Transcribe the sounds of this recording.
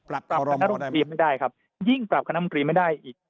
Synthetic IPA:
a˨˩p̚ɾa˨˩a˧na˥˧˥o˧ɾiː˧ma˥˩jdaː˥˩jkʰa˦˥p̚ | ji˥˩ŋpɾa˨˩p̚kʰna˦˥o˧t̪ɾiː˧ma˥˩jdaː˥˩jʔiː˨˩k̚

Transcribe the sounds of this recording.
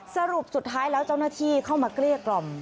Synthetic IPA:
sa˧ɾu˨˩p̚su˨˩t̪ʰːaː˦˥jlɛː˦˥wt͡ɕa˥˩wnaː˥˩t̪ʰiː˥˩kʰa˥˩wmaː˧kli˥˩əklɔ˧˩m

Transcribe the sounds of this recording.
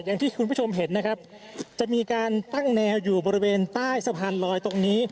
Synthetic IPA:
ja˨˩ŋt̪ʰiː˥˩kʰu˧npʰu˥˩t͡ɕʰo˧mɦe˩˦nːa˦˥kʰa˦˥p̚ | t͡ɕa˨˩miː˧kaː˧nt̪a˥˩ŋnɛː˧wjuː˨˩bɔː˧ɾi˦˧weː˧nt̪aː˥˩jsa˧pʰaː˧nlɔː˧jt̪o˧ŋniː˦˥

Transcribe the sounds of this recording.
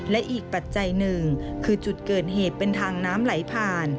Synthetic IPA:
lɛ˦˥ʔiː˨˩k̚pa˨˩t̪̚t͡ɕa˧jnɯ˨ŋkʰɯː˧t͡ɕu˨˩t̪̚kɤː˨˩t̪̚ɦeː˨˩t̪̚pe˧nt̪ʰaː˧ŋnaː˦˥mla˩˦jpʰaː˧n

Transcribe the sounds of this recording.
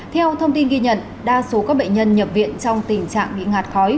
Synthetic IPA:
t̪ʰɛ˧wt̪ʰə˧wŋ͡mt̪i˧nɣi˧ɲə̰˧˨n | ɗaː˧so˨˦kaː˦˥k̚ɓə̰˧˨ɲ̟ɲə˧nɲə˨˩p̚vḭ˧˨ənt͡ɕɔ˧wŋ͡mt̪ï˨˩ŋ̟t͡ɕa̰ː˧˨ŋɓḭ˧˨ŋaː˨˩t̚xɔ˨˦j

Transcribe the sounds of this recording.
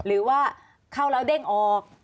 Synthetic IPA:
ɾɯː˩˦waː˥˩ | kʰaː˥˩wɾa˦˥wde˥˩ŋʔɔː˧k̚

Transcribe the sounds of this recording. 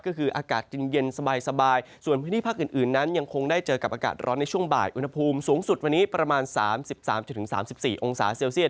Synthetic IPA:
kɔː˥˩kʰɯː˧ʔaː˧kaː˨˩t̪̚t͡ɕi˧nje˧nsa˧baː˧jsa˧baː˧j | su˨˩ənpʰɯː˦˥nʰiː˥˩pʰa˥˩kʔɨː˨˩nʔɯː˨˩nːa˦˥nja˧ŋkʰo˧ŋdaː˥˩jt͡ɕɤː˧ka˨˩p̚ʔaː˧ka̰ː˨˩t̪̚ɾʔɔː˦˥nːa˧jt͡ɕʰu˥˩əŋba̰ː˨˩jʔu˧nha˧pʰuː˧msuː˩˦ŋsu˨˩t̪̚wa˧nːiː˦˥pɾa˧maː˧nsaː˩˦msi˨˩p̚sa̰ː˩˦mt͡ɕa˨˩t̪ʰɯ˩˦ŋsa̰ː˩˦msi˨˩p̚siː˨˩ʔo˧ŋsa̰ː˩˦seː˧wsi˥˩ət̪̚

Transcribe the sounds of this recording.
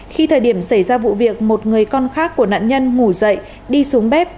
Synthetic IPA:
xi˧t̪ʰəː˨˩jɗi˧˩əmsa˧˩jzaː˧vṵ˧˨vi˨˩ək̚mo˨˩t̚ŋɨ˨˩əjkɔ˧nxaː˦˥kːu˧˩əna̰ː˧˨nɲə˧nŋu˧˩zə̰˧˨j | ɗi˧su˨˦əŋɓɛ˦˥p̚

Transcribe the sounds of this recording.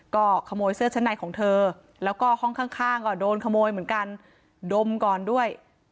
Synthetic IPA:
kɔː˥˩kʰa˧moː˧jsɯ˥˩ət͡ɕʰa˧˥naː˨˩jkʰɔː˩˦ŋt̪ʰɤː˧ | lɛː˦˥wkɔː˥˩hɔ˥˩ŋkʰaː˥˩ŋkʰaː˥˩ŋkɔː˧˥˩doː˧nkʰa˧moː˧jmɯ˩˦ənka˧n | do˧mkɔː˨˩ndu˥˩əj

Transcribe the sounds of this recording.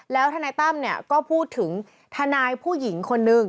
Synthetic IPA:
lɛː˦˥wt̪ʰaː˧naː˧jt̪a˥˩mni˥˩ɐkɔː˥˩pʰuː˥˩t̪ʰːɯ˩˦ŋ | t̪ʰa˧naː˧jpʰuː˥˩ji˩˦ŋkʰo˧nːɯ˨˧˩ŋ

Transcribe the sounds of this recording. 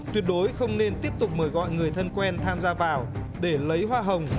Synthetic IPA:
t̪wi˨˩ət̚ɗo˨˦jxə˧wŋ͡mne˧nt̪i˦˥əp̚t̪ʊ˨˩k͡p̚məː˧˩jɣɔ̰˧˨jŋɨ˨˩əjt̪ʰə˧nkwɛ˧nt̪ʰaː˧mzaː˧vaː˨˩w | ɗe˧˩lə˨˦jɦwaː˧ɦə˨˩wŋ͡m

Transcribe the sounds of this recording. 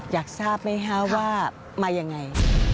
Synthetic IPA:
jaː˨˩k̚saː˥˩p̚ma˦˥jkʰa˦˥waː˥˩ | maː˧ja˧ŋːa˧j

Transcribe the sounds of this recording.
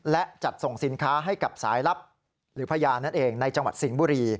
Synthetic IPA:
lɛ˦˥ʔt͡ɕa˨˩t̪̚so˨˩ŋsi˩˦nkʰaː˦˥ɦa˥˩jka˨˩p̚sa̰ː˩˦jla˦˥p̚ | ɾɯː˩˦pʰa˧jaː˧na˥˩nʔeː˧ŋna˧jt͡ɕa˧ŋwa̰˨˩t̪̚si˩˦ŋbuː˧ɾiː˧

